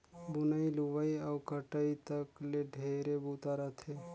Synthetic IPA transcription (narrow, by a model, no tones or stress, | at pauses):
bʊnəiluʋəiɔːkəʈəit̪əkleɖʱeːɾebuːt̪aɾət̪ʰe